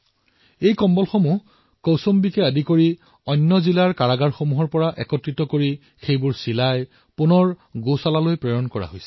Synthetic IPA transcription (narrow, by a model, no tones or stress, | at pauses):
ejkɔmbɔlxomuɦ | kowsombikɛadikoɹi | ɔnːɔzilaɹkaɹaɡaɹxomuɦɔɹpɔɹaʔɛkɔtɹitɔkoɹi | xejbʊɹsilaj | punɔɹɡosalalojpɹɛjɔnkɔɹa̰ɦojsɛ̥